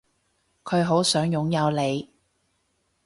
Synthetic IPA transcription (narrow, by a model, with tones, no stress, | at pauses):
kʰɵ˨˧ɥɦo˨˥wsœː˨˥ŋjʊ˨˥ŋjɐ˨˧wle˨˧j